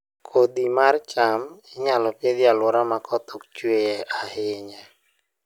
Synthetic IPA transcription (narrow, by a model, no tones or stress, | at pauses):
kʰod̪imart͡ʃamɛɲalɔpjed̪ɪalwɔɾamakʰɔt̪ok̚t͡ʃweʔahɪɲɛ